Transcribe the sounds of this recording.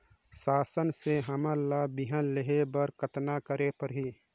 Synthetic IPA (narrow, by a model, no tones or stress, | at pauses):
saːsənseɦəməlabiɦənleɦebəɾkət̪nakəɾepəɾɦi